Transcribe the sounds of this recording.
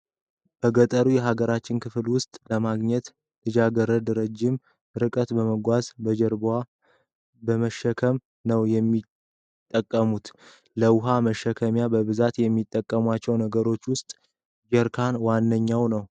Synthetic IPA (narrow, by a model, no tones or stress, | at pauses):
b̥əɡət̪ʼəɾujɛɦaɡəɾat͡ʃːɪnkɨflwʊst̪ʼləmaɡɲɛt̪ | lɨd͡ʒaɡəɾəd̪ɾəd͡ʒːɪm | ɾɨkʼət̪bəməɡʷazbəd͡ʒəɾba | bəməʃːəkʰəm | nəwjɛmːi | t̪ʼːəkʼːəmut̪ | ləwʊɦaməʃːəkʰəmjabəβɨzat̪jɛmːit̪ʼːəkʼːəmwat͡ʃːɛwnəɡəɾo̞t͡ʃːwʊst̪ʼ | d͡ʒɛɾkʰanwanːəɲːawnəw